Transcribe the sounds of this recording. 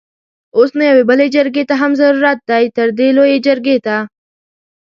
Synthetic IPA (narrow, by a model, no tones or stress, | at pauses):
ʊsmẽɐʋebɐled͡ʒɐɾɡet̪aɦɐmzɐɾuːɾat̪̚ːaːit̪ɐɾd̪eːloːeːd͡ʒɐɾɡeːt̪aː